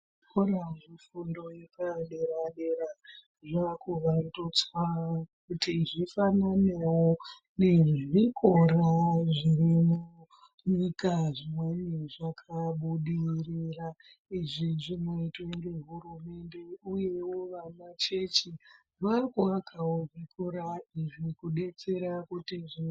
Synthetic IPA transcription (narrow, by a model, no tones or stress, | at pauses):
kʰoɾaʐifundo̞jekaɗeɾaɗeɾa | ʐakoʋarito̞t͡saakutiʐifananewo | ne̞ʐikʰoɾaʐirimu | ɲikaʐimwe̞niʐakʰaɓuɗirira | iʐiʐimwe̞toreɦurume̞nde̞uje̞woʋamat͡ʃe̞t͡ʃi | ʋakoakʰaoʐikʰuɾaiʐikuɗe̞t͡se̞ɾakutiʐi